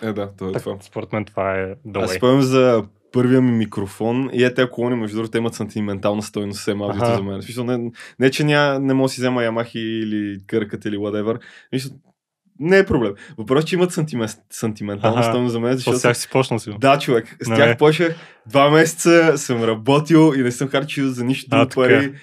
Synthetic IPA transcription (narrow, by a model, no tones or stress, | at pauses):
ɛd̪at̪ɔɛt̪vaspoɾɛt̪mɛnt̪ovaɛd̪ɐasɛpɔvɛmzɐ | pɤɾvijəmmikɾofɔnḭɛt̪ɛɐkolˠɔnimɛʒd̪ud̪ɾt̪ɛimət̪sɐnt̪ʲimɛnt̪alˠnəst̪ɔjnossɛmalˠɡit̪zɐmɛnɛsmisəlˠnɛnɛt͡ʃɛnʲanɛmɔɡsizɛməjɐmaxiːlikəɾkət̪iliwɐd̪ɛvəɾsmisəlˠ | nɛːpɾoblɛmvɐpɾɔst͡ʃɛimət̪sɐnt̪im | sɐnt̪imɛnt̪alˠnɐst̪ɔjnozzɐmɛnɛzɐʃɔt̪ʲaxsi̥pɔʃnəsid̪at͡ʃovɛkst̪ʲaxpɔʃəx | d̪vamɛsɛ̥t̪səsəmɾɐbɔt̪ilˠinɛsəmxaɾt͡ʃilˠzɐniʃt̪t̪pɐɾi